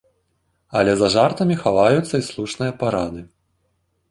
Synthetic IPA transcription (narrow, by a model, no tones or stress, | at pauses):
ɐlʲɛzɐʐart̪ɐmʲixavajut̪sːɐislˠuʂnɨjɐpaɾad̪ɨ